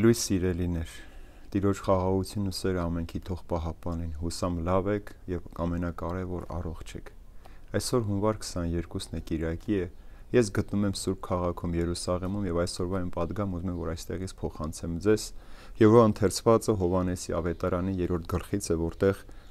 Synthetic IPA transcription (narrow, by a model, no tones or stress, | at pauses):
lujsːiɾɛlinɛɾ | t̪iɾɔt͡ʃʰχɑʁɑʁut͡sʰjunːusɛɾəɑmɛŋkʰit̪ʰɔʁpɑɦɑpɑninɦusɑmlɑvɛkʰjɛvɑmɛnɑkɑɾɛvɔɾɑ̰rɔχt͡ʃʰɛ̰kʰ | ɑjsɔɾɦunvɑɾkʰə̥sɑnjɛɾkusnɛkiɾɑkiɛjɛsɡət̪numɛmsuɾb̚kʰɑʁɑkʰumjɛɾusɑʁɛmumjɛvɑjsɔɾvɑɛnpɑd̪ɡɑmuzumɛmvɔɾɑjst̪ɛʁit͡sʰpʰɔχɑnt͡sʰɛmd͡zɛzjɛvvɑənt̪ʰɛɾt͡sʰvɑt͡səɦɔvɑnɛsiɑvɛt̪ɑɾɑnijɛɾɔɾt̪ʰɡəlχit͡sʰɛvɔɾt̪ɛʁ